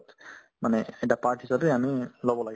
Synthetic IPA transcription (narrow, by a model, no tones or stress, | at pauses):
t̪ | maneeʈapaɹʈɦisabeamilɔbɔlaɡi